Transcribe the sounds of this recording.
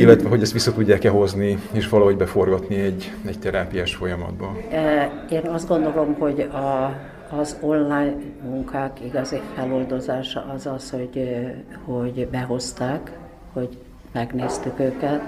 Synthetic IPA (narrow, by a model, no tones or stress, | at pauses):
ilːɛt̪ʋɛɦo̞ɟɛst̪ʋisːɒt̪uɟːaːkɛɦo̞znieːʃʋɒlɒɦoɟbɛfo̞rɡɒt̪niɛɟː | ɛct̪ɛɾaːpijaːʃfo̞jɒmɒ̰d̪bɒ | eːnɒzd̪ɡo̞nd̪o̞lo̞mho̞ɟɒː | zo̞nlaːjnmuŋkʰaːkiɡɒzifɛlo̞ld̪o̞zaːʃɒ̰ʔɒzɒsho̞ɟhoɟbɛɦo̞st̪aːk | ho̞ɟ | mɛɡneːst̪ykøːkɛt̪